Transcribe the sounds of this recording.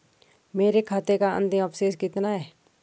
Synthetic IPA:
meːɾekʰaːt̪ekaɐ̰̃nd̪ɪmɐpseːskɪt̪naɦɛː

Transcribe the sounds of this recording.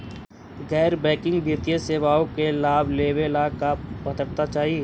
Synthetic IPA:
ɣɛːɾbɛ̃ːkɪ̃ŋɡbʱiɾt̪ijeseːʋaːõkelaːbleːʋelaːkapɐt̪əɽt̪at͡ʃaːɦie

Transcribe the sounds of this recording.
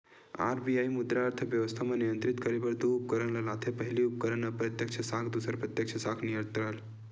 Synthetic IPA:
a̰ɾbiajmud̪ɾaːɾt̪ʰəʋjɐʋəst̪ʰamanijənt̪ɾit̪kəɾebɐɾd̪uːp̚kəɾənlɐlat̪ʰepəɦiliup̚kəɾənɐpɾɐt̪jəkt͡ʃʰɐsaːkʰd̪usəɾpɾɐt̪jɐkt͡ʃʰɐsakʰnijəɾt̪ɾal

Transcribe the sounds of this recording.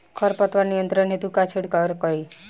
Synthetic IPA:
kʰɔɾpət̪ʋanijənt̪ɾənɦet̪ukat͡ʃʰeɽkaɾkəɾi

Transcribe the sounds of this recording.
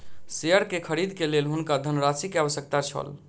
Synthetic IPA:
seəɾkekʰəɾid̪ʱkelelɦunkad̪ʱənɾasikeaβəsjəkt̪at͡ʃʰə̰l

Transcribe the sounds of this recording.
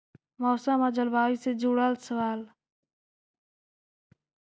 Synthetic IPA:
mɔːsãːmãːd͡ʒəlbaːiːsed͡ʒuɽaːlsəʋaːl

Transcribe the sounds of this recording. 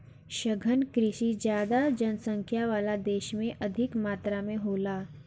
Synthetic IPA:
ʃəɡʱənkɾɪʃid͡ʒjaːd̪ad͡ʒənsə̃ŋkʰjaʋaːlad̪eːʃmẽʔɐd̪ʱɪkmaːt̪ɾamẽɦoːlaː

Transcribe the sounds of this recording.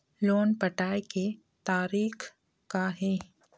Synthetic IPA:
loːnpɐʈaːeke | t̪aːɾiːk | kaɦɛː

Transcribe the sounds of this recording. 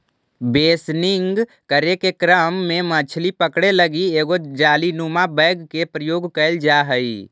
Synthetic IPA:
beːsnɪŋɡ | kəɾekekɾəmːẽmət͡ʃʰlipəkɽeləɡieːɡod͡ʒaːlinumabɛ̃ɪɡkepɾəjoːɡkəɪld͡ʒaɦəi

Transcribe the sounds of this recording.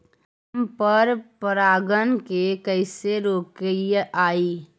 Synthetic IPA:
mpəɾpəɾaːɡənkekəɪseɾoːkeʔaːiː

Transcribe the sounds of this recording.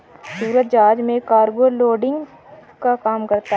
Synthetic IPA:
suːɾət̪̚d͡ʒaːd͡ʒmẽkaːɾɡoloːɖɪ̃ŋɡ | kakaːmkɐɾt̪a

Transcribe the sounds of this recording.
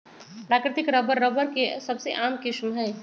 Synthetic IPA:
pɾaːkɾɪt̪ɪkɾɐbəɾːəbəɾkesɐbseʔaːmkɪʃmɦɛ̃ː

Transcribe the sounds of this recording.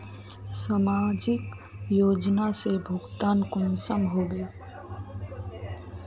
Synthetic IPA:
saːmaːd͡ʒɪk | joːd͡ʒnasebʱʊɡt̪aːnkʊnsəmɦoːʋeː

